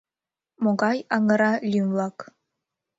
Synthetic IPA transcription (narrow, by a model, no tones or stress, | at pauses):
moɡɑjɑŋɤ̆ɾɑlʲymlˠɑk